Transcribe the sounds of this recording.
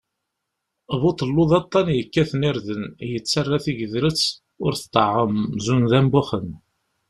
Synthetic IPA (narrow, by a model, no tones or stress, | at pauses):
βʊt̪ˤəlːʊðɑt̪ˤːɑnjəkːæθənɪɾðənjət͡sːərˤːaθiʝəðɾət͡sː | ʊɾθt̪ˤːə̰ʕəmzunðæmbʊχən